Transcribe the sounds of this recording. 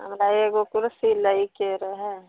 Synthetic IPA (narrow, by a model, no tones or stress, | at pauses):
ɦə̰mɾaeːɡokʊɾsiləikeɾəɦɛ